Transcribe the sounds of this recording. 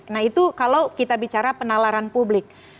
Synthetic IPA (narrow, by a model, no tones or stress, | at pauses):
nait̪ukalawkit̪abit͡ʃaɾapənalaɾanpublɪk̚